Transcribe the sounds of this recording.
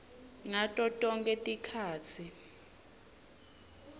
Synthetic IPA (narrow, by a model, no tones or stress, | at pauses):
ŋatʼɔtʼɔŋkʼɛtʼikʰaːt͡sʰi